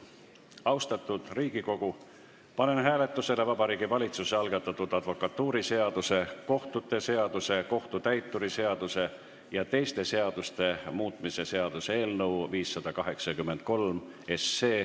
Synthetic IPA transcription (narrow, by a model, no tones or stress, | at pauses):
ɑwst̪ɑt̪ːˑud̪̥riːɡ̥iko̞ɡ̥u | pɑne̞nɦæːle̞t̪ˑːuse̞le̞vɑbɑɾiːɡ̥ivɑlʲit̪suseɑlɡ̥ɑt̪ːˑɑt̪ːud̪̥ɑd̪̥vo̞kˑɑt̪ːuːɾise̞ɑd̪̥use̞ko̞ht̪ut̪ːˑe̞se̞ɑd̪̥use̞ko̞ht̪ut̪æjt̪ːuɾise̞ɑd̪̥use̞ | jɑt̪e̞jst̪e̞se̞ɑd̪̥ust̪e̞muːt̪ˑmise̞se̞ɑd̪̥usee̞ːlnɤwviːsːɑd̪̥ɑkɑɦe̞ksɑkymːe̞nt̪̚ko̞lm | e̞sːe̞ː